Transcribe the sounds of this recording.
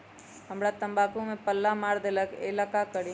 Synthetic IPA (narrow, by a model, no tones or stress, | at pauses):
ɦəmɾat̪ə̃mbaːkũmẽpəlːamaːɾd̪eləkḛlakakəɽi